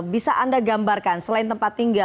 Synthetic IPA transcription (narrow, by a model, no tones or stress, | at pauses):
bisaʔandaɡambarkansəlaɪnt̪əmpat̪ːiŋɡa